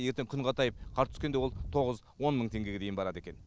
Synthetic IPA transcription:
je̞ɾt̪eŋkʲʰʏɴʁɑt̪ʰɑjəp̚qʰɑɾt̪ʰʏ̥skʲend̪e̞wo̞lˠt̪ʰo̞ʁəz | wo̞nməɴt̪ʰe̞ŋɡʲe̞ɡʲed̪e̞jɪnbɑɾɑd̪e̞kʲen

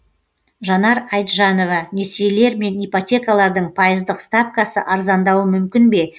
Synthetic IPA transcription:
ʒɑnɑɾɑjt̪ʒɑno̞vɑnesejle̞ɾme̞nijpo̞t̪ʲe̞kɑlˠɑɾd̪əɴpʰɑjəzd̪əqst̪apkɑsə̰ʔɑɾzɑnd̪ɑwəmʏmkʲɪnbe̞

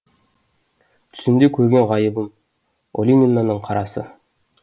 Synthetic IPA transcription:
t̪ʰʏ̥sɪnd̪ekʲʰɵɾɡʲe̞ɴʁɑjəbəm | o̰lʲinʲinːanəɴqʰɑɾɑsə̰

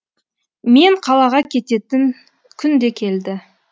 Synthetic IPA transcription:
me̞ɴqʰɑlˠɑʁɑkʲʰe̞t̪e̞t̪ɪŋ | kʲʰʏnd̪e̞kʲʰe̞ld̪ɪ

